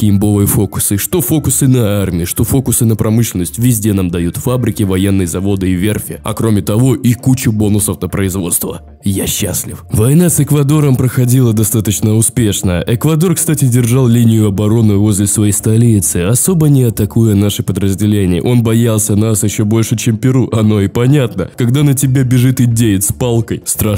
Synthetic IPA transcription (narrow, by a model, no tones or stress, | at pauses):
kʲɪmbovɨjəfokʊ̥sɨʂt̪o̞fo̞kʊsɨnəarmʲɪɪʂt̪o̞fo̞kʊsɨnəpɾɐmɨɕlʲɪnəsʲtʲvʲɪzʲdʲe̞namd̪ɐjut̪fabɾʲɪkʲɪvɐje̞nːɨjəzɐvo̞d̪ɨɪvʲe̞rfʲɪɐ̰kɾo̞mʲɪt̪ɐvo̞ʔikut͡ɕʊbo̞nʊsəfnəpɾəɪzvo̞̰t̪st̪və̰ | jaɕːa̰sʲlʲɪfvɐjnasɨkvɐd̪o̞ɾəmpɾəxɐdʲilˠəd̪ɐst̪at̪ət͡ɕnəʊspʲeʂnəəʔɛkvɐd̪o̞rkst̪atʲɪdʲɪrʐalˠlʲinʲɪjʊɐbɐɾo̞nɨvo̞zʲlʲɪsvɐjejst̪ɐlʲit̪sɨɐso̞bənʲɪɐt̪ɐkujɐnaʂɨpəd̪ɾəzʲdʲɪlʲenʲɪjə̰ʔo̞nbɐjalˠsʲənasjɪɕːo̞bo̞lʲʂɨt͡ɕempʲɪɾuʔɐno̞ɪpɐnʲat̪nəkɐɡd̪anət̬ʲɪbʲabʲɪʐɨt̪ɪdʲejɪt̪spalˠkəjst̪ɾa